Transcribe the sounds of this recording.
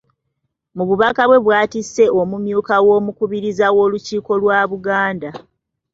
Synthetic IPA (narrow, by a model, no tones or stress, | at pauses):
muβuβakaβwe̞βwaːtise̞o̞mumjuːkawo̞ːmukuβiɾizawo̞ːluciːko̞lwaːβuɡaːnda